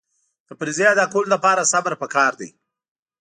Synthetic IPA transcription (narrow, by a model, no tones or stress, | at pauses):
d̪̥əpɾizejad̪akold̪apɑɾasabəɾpəkɑɾd̪a̰j